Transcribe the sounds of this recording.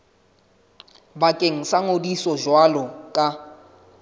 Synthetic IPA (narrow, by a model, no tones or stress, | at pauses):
bakʼeŋ̩saŋodisɔʒwalɔkʼa